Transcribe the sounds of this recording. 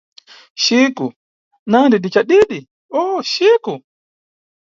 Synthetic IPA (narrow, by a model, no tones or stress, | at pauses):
ʃiku | nandidit͡ʃaɗiɗi | oːʃiku